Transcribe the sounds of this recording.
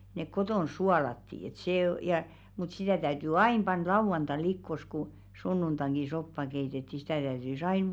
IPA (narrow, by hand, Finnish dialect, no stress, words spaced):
nek kotoˑn suɑlɑtːi et seˑ o jɑ mut sitæˑ tæyty ɑin pɑn lɑuʋɑntɑ̃ː likːos ku sunːuntɑŋɡ̊i sopːɑ keitetːi sitæˑ tæytys ɑin